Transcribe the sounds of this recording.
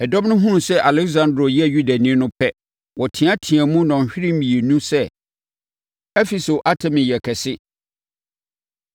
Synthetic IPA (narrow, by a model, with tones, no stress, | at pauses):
ɛ˨dɔ̃˦m˦nʊ̃˦ɦũ˦˨sɛ˦ʔa˨lɛ˦ksã˦ndɾo˨jɛ˦˨ju˦da˨nĩ˦nʊ̃˦pʰɛ˦ | wɔ˨tʰĩ˨a˦tʰĩ˨æ˨mũ˦nɔ̃˨n˨ɕᶣɪ˦ɾĩ˦m̩˦ĩ˨e˨nũ˦sɛ˦ | ɛ˦fi˨so˨ʔa˦tʰɛ̃˦˨mɪ̃˨jɛ˨kʰɛ˨sɪ˦